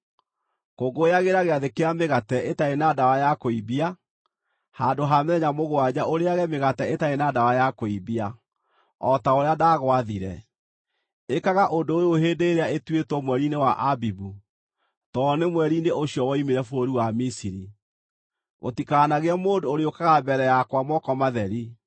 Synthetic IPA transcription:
koɡojaɣeɾaɣeaðekeameɣatɛʔetaenadawajakoibia | handoɦamɛɲamoɣoad͡ʑaʔoɾeaɣɛmeɣatɛetaenadawajakoibia | ɔtaoɾeadaːɣwaðiɾɛ̰ | ekaɣaʔondoojoɦedeɾeaetwetwɔmwɛɾinewaʔabibu | tɔnemwɛɾineʔoɕiɔwɔimeɾɛfoɾiwamisiɾi | mo̰tikaːnaɣeamoːndooɾeokaɣabɛɾɛjakwamɔkɔmaðɛɾi

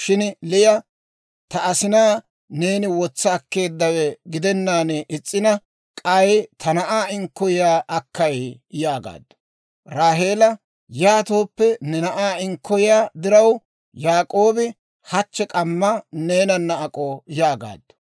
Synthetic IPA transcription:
ʃɪnlɪjɐ | t̪ɐɐsɪnaː | ne̞ːnɪwɔt͡sːɐːkːe̞ːd̪ːɐwɛɡɪd̪ɛnːaːnɛʔɪt͡sʼːɪnɐ | kʼɐjt̪ʰɐnɐʔaːɪŋkːɔjɪjaːʔɐkːɐjjaːɡa̰ːd̪ːʊ̥ | ɾaːɦe̞ːlɐ | jaːt̪o̞ːpːɛnɛnɐʔaːɪŋkːɔjɪjaːd̪ɪɾɐw | jaːkʼo̞ːbɪ | hɐt͡ʃːɛkʼɐmːɐne̞ːnɐnːɐːkʼojaːɡa̰ːd̪ːɐ̥

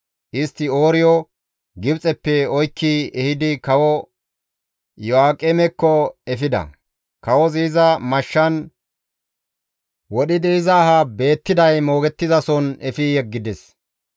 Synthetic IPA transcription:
ʔɪst̪ːɪo̞ːɾɪjɔ | ɡɪbt͡sʼɛpːɛɔjkːɪɛhɪd̪ɪkɐwɔ | jɔaːkʼemɛkːɔɛfɪd̪ɐ̰ | kɐwɔziːzɐmɐʃːɐn | wɔɗɪd̪ɛɪzɐːɦɐbe̞ːt̪ːɪd̪ɐjmo̞ːɡɛt̪ːɪzɐsɔnɛfɪjɛɡːɪd̪ɛs

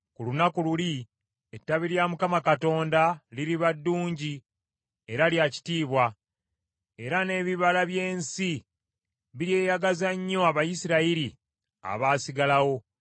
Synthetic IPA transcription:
kulunakululi | etːaβiɾjamukamakato̞ːndaliɾiβadːuːɲɟi | e̞ɾaljaci̥tiːβwa | e̞ɾane̞ːβiβalaβje̞ːnsi | βiɾje̞ːjaɡazaɲːo̞aβajisiɾaiɾi | a̰βaːsiɡalawo̞

